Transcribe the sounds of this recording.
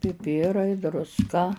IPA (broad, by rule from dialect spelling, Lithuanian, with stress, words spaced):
pʲɪˈpʲɪrɐɪ drʊsˈkɐ